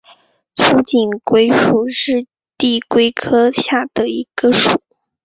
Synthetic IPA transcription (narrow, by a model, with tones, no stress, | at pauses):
t͡sʰu˧˥t͡ɕi˨˩nkwe˥ɪʂu˨˩ʂɻ̩˥˧ | t̪i˥˩kwe˥ɪkʰɤ˥ɕja˥˩d̪̥ə˩i˧˥ɡ̥ə˧ʂu˨˩˦